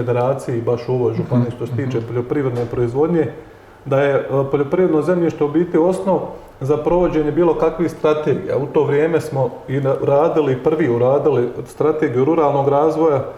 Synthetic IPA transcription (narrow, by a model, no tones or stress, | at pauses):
ed̪e̞ɾaːt̪sijibaʃuoʋo̞jʒupaniʃt̪oset̪iːt͡ʃe̞poʎo̞pɾiːʋɾed̪ne̞ːpɾo̞izʋo̞d̪ɲe̞ | d̪aje̞poʎopɾiʋɾed̪no̞zemɲiːʃt̪obit̪io̞sno̞ʋ | zapɾo̞ʋo̞d͡ʑe̞ɲebiːlˠo̞kakʋixst̪ɾat̪eːɡḭja̰ut̪o̞ːʋɾjeːme̞smo̞ | iɾaːd̪iliipr̩ʋiːuɾaːd̪ilist̪ɾat̪e̞ːɡijuɾuɾaːlˠno̞ːɡɾaːzʋo̞ja